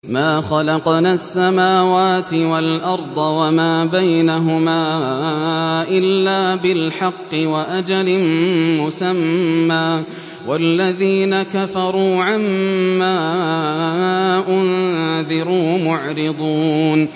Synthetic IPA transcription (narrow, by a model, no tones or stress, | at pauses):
maːxɑlɑqnaːsːamaːwaːt̪ɪwalʔɑɾˤd̪ˤɑwamaːbajnaɦʊmaː | ʔɪlːaːbɪlħɑqːɨwaʔad͡ʒalɪmʊsamːaː | walːaðiːnakafɑɾˤuːʕamːaː | ʔʊnðɪɾuːmʊʕɾɪd̪ˤuːn